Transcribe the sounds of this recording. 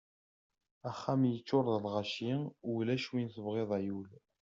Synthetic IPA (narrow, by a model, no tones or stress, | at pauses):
æχːæmjət͡ʃːʊɾˤðˤəlʁaʃiwlæʃwinθəvʁeðˤæjul